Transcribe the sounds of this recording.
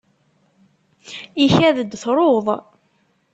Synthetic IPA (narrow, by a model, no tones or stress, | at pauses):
içæðəd̪ːθɾˤoðˤ